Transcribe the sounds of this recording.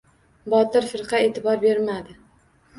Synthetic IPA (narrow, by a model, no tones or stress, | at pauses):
bɒt̪ɪɾfɪɾqʰɑet̪ʰɪbɒɾbe̞ɾmad̪ɪ